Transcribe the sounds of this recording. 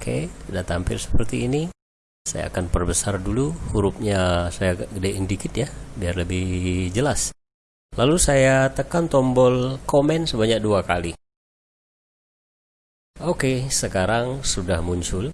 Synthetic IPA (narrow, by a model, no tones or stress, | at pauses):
kʰḛidaʔt̪ampɪ̰lsə̥pərt̪iːni | sa̰ja̰a̰kanpərbəsarduluhuɾup̚ɲasajaɡədɛindikɪt̪̚jabiarləbɪhd͡ʒəlas | lalusajat̪əkant̪ɔmbɔlkomɛnsəbaɲak̚duakali | okesəkaɾaŋsudahmuɲt͡ʃʊl